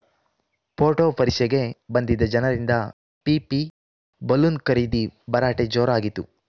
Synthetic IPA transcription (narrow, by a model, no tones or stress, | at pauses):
pʰoːʈoːpɐɾikʃɛɡe̞bɐnd̪id̪ɐd͡ʒɐnɐɾind̪ɐ | pipi | bɐlunkɐɾiːd̪ibɐɾaːʈed͡ʒoːɾaːɡit̪ːṵ